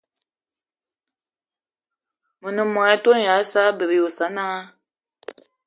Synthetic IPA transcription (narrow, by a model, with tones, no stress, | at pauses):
mə˨nɨ˨mɔ˨ɛ˦to˦n˨ja˨˦sa˦bə˨bjo˨sa˨˦na˦a˦